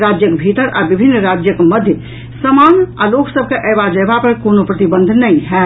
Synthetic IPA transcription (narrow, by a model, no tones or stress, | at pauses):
ɾad͡ʒjəkbʱit̪əɾʔabibʱinːɾad͡ʒjəkməd̪ʱjə | səmanaloksəb̚ʱkeʔəjβad͡ʒəjbapəɾkonopɾət̪ibə̃nd̪ʱnəĩɦɛ